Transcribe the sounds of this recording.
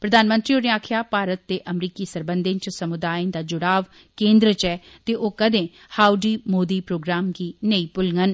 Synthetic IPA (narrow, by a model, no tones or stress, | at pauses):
pɾəd̪aːnmə̃nt̪ɾiːoːnẽaːkʰjaːpaːɾət̪ːeːʔəmɾiːkiːsəɾbənd̪ẽnt͡ʃsəmʊd̪aːẽnd̪aːd͡ʒʊɽaːʋ | kẽːnd̪ɾət͡ʃɛː | t̪eːʔoːkəd̪ẽː | haːuɖiːmoːd̪iːpɾoːɡɾaːmɡiːnəiːpʊlŋɡən